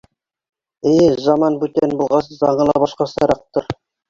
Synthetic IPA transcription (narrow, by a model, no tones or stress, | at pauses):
ejzɑmɑnbʉt̪enbulˠʁɑsɤzɑɴɤ̆lˠɑbɑʃqɑsɑɾɑq̚t̪oɾ